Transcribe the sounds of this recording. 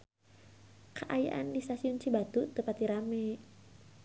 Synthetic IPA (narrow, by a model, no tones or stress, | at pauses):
kaʔaja̰ʔandist̪asiunt͡ʃibat̪ut̪upat̪iɾamɛ